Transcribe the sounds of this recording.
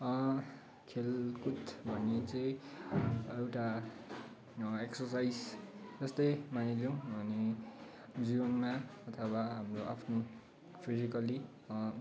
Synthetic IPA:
ʌ | kʰelkut̪bʱʌnːet͡sʌĩ | ewʈa | eksʌrsajd͡zd͡zʌst̪ʌjmanid͡zõbʱʌne | d͡ziʌnmaʌt̪ʰʌwaɦamroʔa̰pʰno | pʰizikʌli | ʌ

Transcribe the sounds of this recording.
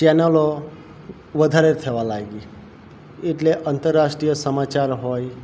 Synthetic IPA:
t͡ɕɛnəlo | ʋəd̪ʱaɾet̪ʰeʋalaɡi | ɪʈleʔant̪əɾːaʂʈɾijəsəmat͡ɕaɾɦoj

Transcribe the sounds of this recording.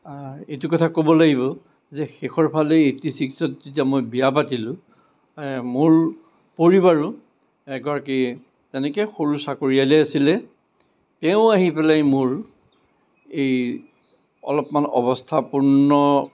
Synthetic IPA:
etukɔtʰakobɔlaɡibɔ | zɛxexɔɹpʰaleetisiksɔtzitiamojbiapatilʊ̃ | mʊɹ | poɹiβaɹʊ | ɛɡɔɹaki | tɛnɛkɛxoɹusakoɹialɛjasilɛ | tɛʊ̃aɦipɛlajmʊɹ | ej | ɔ̰lɔpmanɔ̰bɔstʰapuɹnɔ

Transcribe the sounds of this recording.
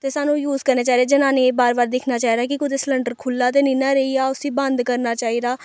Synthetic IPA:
t̪eːsaːnũːjuːzkəɾneːt͡ʃaːid̪eːd͡ʒɪnãːneːbaːɾbaːɾd̪ɪkʰnaːt͡ʃaːiːd̪aːkikʊd̪esləɳɖəɾkʰʊlːaːt̪̬eːnĩːnaːɾəiaːʊsiːbənd̪kəɾnaːt͡ʃaːiːd̪aː

